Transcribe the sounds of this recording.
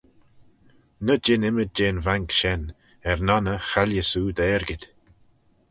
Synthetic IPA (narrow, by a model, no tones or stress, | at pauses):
nəd͡ʒɪnɪməd̚d͡ʒeːnvaŋkʃɛn | ɛɾnanəxaljəsuːd̪əɛːɹɡɪd̪̥ʲ